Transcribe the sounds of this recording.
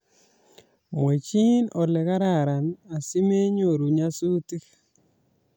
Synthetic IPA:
mwe˨t͡ʃi˦nɔ˨lɛ˨ka˦ɾa˨ɾa˨na˨si˦me˦ɲo˨ɾu˨ɲa˦su˦ti˦k

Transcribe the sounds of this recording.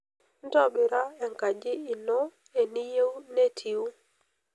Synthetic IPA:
n̩˦tɔ˦ɓi˨ɾa˦e˨ŋka˨d͡ʒi˦i˨nɔ˦ | e˨ni˦je˦wne˦tʰi˨u˦

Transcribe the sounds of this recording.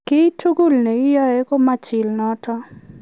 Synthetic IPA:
kɪ˦tʰu˦ɡu˦˨lne˨ɪ˦jɔ˦e˦ko˦ma˦t͡ʃɪ˨lnɔ˦tʰɔ˦

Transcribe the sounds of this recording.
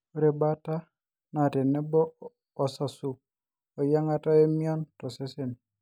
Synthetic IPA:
o˨ɾe˨ba˦ta˦ | na˨te˨ne˦bɔː˦˨ | sa˨su˨ | ɔ˨ja˦ŋa˦ta˦e˦mi˦ɔ˦ntɔ˨se˦se˨n

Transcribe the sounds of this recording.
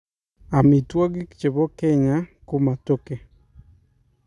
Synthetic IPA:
a˨mi˨twɔ˦ɡi˦kt͡ʃe˨βo˦kɛ˦ɲa˦kʊ˦ma˨to˦ke˨

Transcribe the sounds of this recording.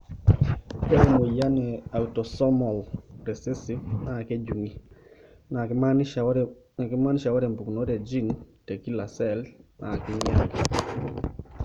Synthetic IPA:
ɛ˦ɾe˦˨mo˨ja˦nɛ˨a˨u˨tɔ˨sɔ˦mɔ˨lɾɛ˨se˦si˦na˨ke˦d͡ʒu˨ŋi˦ | na˨ | na˨kɪ˦ma˦n˦ʃa˨wɔ˦ɾɛ˨mbu˨kno˦ɾe˨d͡ʒi˦nte˨ki˦la˨sɛ˨lnʔa̰˨kɪ˦ɲɛ˦ŋɡ

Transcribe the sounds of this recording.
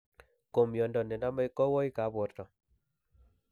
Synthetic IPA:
ko˨mjɔ˨ndɔ˨nɛ˨na˦ma˦i˦kɔ˦wɔ˦i˦ka˨˦bɔ˨ɾtɔ˨

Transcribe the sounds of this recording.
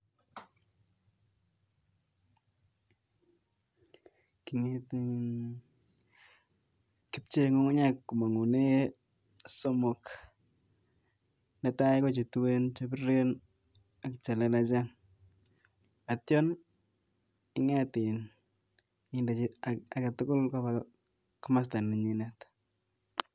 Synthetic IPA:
ki˨ŋe˦t | ki˦p̚t͡ʃe˦ŋo˦ŋo˦ɲa˦kːu˨ma˨ŋu˨ne˦ | sɔ˦mɔ˨k | nɛta˦ɪ˦ko˦t͡ʃi˨tuwe˦nt͡ʃabi˦ɾe˦n | a˨kt͡ʃa˨le˨˦la˦t͡ʃa˦n | a˨tjɔ˦n | ɪ˦ŋa˦tɪ˨n | ɪnda˨a˨ka˨tʊ˦kʊ˦lkapa | kʊma˦s̬ta˨ni˨ɲi˦nat

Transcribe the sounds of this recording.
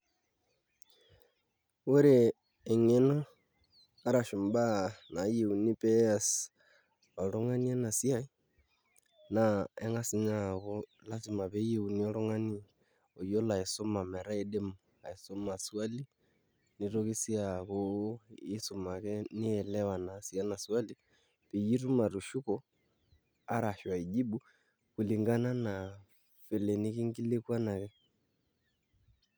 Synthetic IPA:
o˦ɾeː˨ | ŋe˦no˦ | a˦ɾa˨ʃu˨mba˦na˨˦je˨u˨ni˦pɛ˦a˨s | ɔ˨lo˦ŋa˦ni˦a˦na˨sja˦i˦ | na˨ɛ˦ŋa˦si˦ɲa˦ɣo˦ | la˦si˨ma˨βɛ˨˦je˨u˨ni˦ɔ˦lo˦ŋa˦ni˦ | o˨jo˦la˨i˨so˦ma˨mɛ˨ɾa˦e˦ɗe˦mo | a˨i˨sɔ˦ma˨swa˦li˦ | ni˨ɾo˦ki˦si˦akɔi˦su˨ma˨kɛ˦ni˦ɛ˨lɛ˦wa˨nasi˨a˦na˨swa˦li˨ | pɛ˨ji˦tu˦ma˨ɾu˨ʃu˦kɔ˨ | a˦ɾa˨ʃwa˨i˨ʄi˦ɓu˦ | ku˨li˨ŋɡa˦na˦na | fɛ˨lɛ˨ni˦ki˦ŋɡi˦le˦kwa˦na˨ɣɛ˦

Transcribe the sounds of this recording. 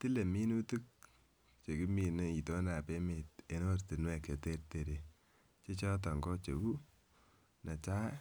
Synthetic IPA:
ti˦le˨mi˦nu˦tu˦k̚ | t͡ʃe˨ki˦mi˨ne˨i˨to˦na˨pe˦me˨t̚e˨no˦rti˨nwɛ˨ke˨te˦rte˨ɾe˨ | t͡ʃe˦t͡ʃɔ˦t̬ɔ˨ŋɡɔ˦t͡ʃe˨wu˦ | na˨t͡ʃa˦

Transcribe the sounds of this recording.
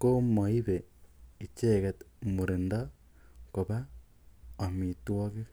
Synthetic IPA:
ko˦mo˨i˦βei˨t͡ʃeː˦ke˨t̪mu˨ɾe˨nda˦ | ko˨βa˦ | o˨mi˨two˦ke˦

